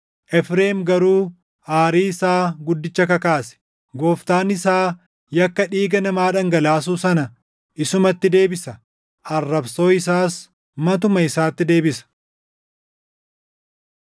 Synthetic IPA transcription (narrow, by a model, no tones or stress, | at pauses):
ʔɛfɾeːmɡɐɾuː | aːɾiːɪsaːɡʊd̪ːɪt͡ʃːɐkɐkaːsɛ̥ | ɡo̞ːft̪aːnɪsaː | jɐkːɐᶑiːɡɐnɐmaːᶑɐŋɡɐlaːs̬uːsɐnɐ | ʔɪsʊmɐt̪ːɪd̪e̞ːbɪsɐ | ʔɐrːɐbso̞ːɪsaːs | mɐt̪ʊmɐɪsaːt̪ːɪd̪e̞ːbɪsɐ̥